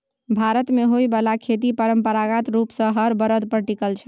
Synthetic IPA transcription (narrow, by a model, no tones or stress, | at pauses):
bʱaɾət̪meɦojbəlakʰet̪̬ipəɾəmpəɾaɡat̪ɾupsə̃ɦəɾbəɾəd̪pɾəʈikəlt͡ʃʰɛ̥